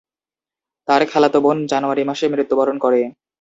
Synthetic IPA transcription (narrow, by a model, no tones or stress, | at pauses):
t̪aɾkʰɛlat̪obond͡ʑanoaɾimaʃemiɾit̪ːobaɾonkɔɾe